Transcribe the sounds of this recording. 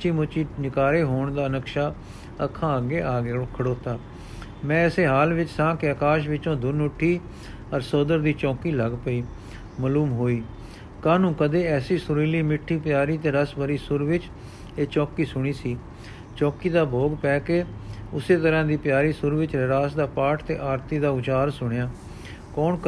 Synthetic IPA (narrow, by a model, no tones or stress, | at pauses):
t͡ʃiːmʊt͡ʃiːnɪkaːɾeːɦoːɳd̪aːənəkʃaː | əkʰːãːɡeːaːkʰəɽoːt̪aː | mɛ̃ːɛseːɦaːlʋɪt͡ʃsãːkɪəkaːʃʋɪt͡ʃõːd̪ʊnʊʈʰːiː | əɾsoːd̪əɾd̪iːt͡ʃɔ̃ːkiːləɡpəiː | məluːmɦoːiː | kaːnũːkəd̪eːɛːsiːsʊɾiːliːmɪʈʰːiːpɪjaːɾiːt̪eːɾəsbəɾiːsʊɾʋɪt͡ʃ | eːt͡ʃɔːkiːsʊɽ̃iːsiː | t͡ʃɔːkiːd̪aːboːɡpɛːkeːʊseːt̪əɾãːd̪iːpjaːɾiːsʊɾʋɪt͡ʃɾɾaːsd̪aːpaːʈʰt̪ḛːʔaːɾt̪iːd̪aːʊt͡ʃaːɾsʊɽ̃jaː | kɔːn